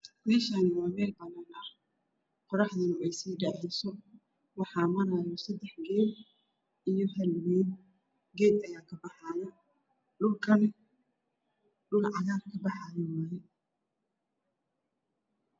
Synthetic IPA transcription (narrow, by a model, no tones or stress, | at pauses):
ɛːʃaːnɪwɑːmɛːlbɐnːanʔɐh | qɔɾɑħðɐnʊɛjsiːɖɑʕɛjsɔ | wɑħɑːmɐɾɐjɔsɛd̪ːɛħɡɛːd̪ | ijɔɦɛlwɛːd̪ | ɡɛːd̪ɐjaːkʰɐbɑħaːjɐ | ɖʊlkʰɐn | ɖʊlʕɑɣaːrkʰɐbɑħɑjɐmajɛ